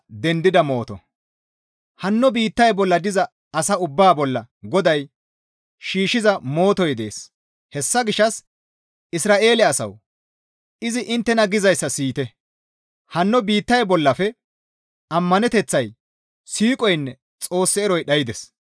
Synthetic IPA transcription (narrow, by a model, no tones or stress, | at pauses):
d̪ɛnd̪ɪd̪ɐmo̞ːt̪ɔ̰ | hɐnːɔbiːt̪ːɐjbɔlːɐd̪ɪzɐː | sɐʊbːaːbɔlːɐ | ɡɔd̪ɐj | ʃiːʃɪzɐmo̞ːt̪ɔjd̪e̞̰ːs | hɛsːɐɡɪʃːɐs | ɪsɾaːʔe̞ːlɛɐsɐ̰w | ɪzɪʔɪnt̪ːɛnɐɡɪzɐjsːɐsiːt̪ɛ | hɐnːɔbiːt̪ːɐjbɔlːɐfɛ | ʔɐmːɐnɛt̪ɛt͡sːɐj | siːkʼɔjnːɛ | t͡sʼo̞ːsːɛːɾɔjɗɐjɪd̪ɛs